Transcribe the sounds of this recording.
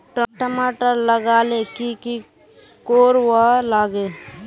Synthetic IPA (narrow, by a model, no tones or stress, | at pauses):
ʈʈəmaːʈəɾləɡaːlekiki | koːɾwalaːɡeː